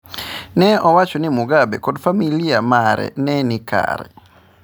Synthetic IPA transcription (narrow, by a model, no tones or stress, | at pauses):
nɛʔɔwat͡ʃonimuɡabekodfamiliamaɾɛ̰nɛnɪka̰ɾɛ̰